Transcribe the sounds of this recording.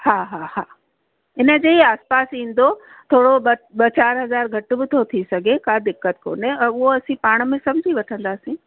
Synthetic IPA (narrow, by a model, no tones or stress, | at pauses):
haːɦahaː | ɪnə̆d͡ʑeːiaːspaːsĩːn̆d̪o | t̪ʰoːɽoɓɐɓɐt͡ɕaːɾɦɐzaːɾɡʱɐʈʊ̆bɪt̪ʰot̪ʰisɐɡʱekad̪ɪkːət̪̚ko̰ːnẽʊɦoɐsĩpaːɽ̃̆mẽsɐmd͡ʑʱiʋɐʈʰə̃nd̪aːsĩː